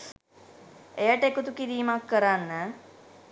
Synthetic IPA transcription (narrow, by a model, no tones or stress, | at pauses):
ejəʈəekut̪ukiɾiːmakːəɾanːə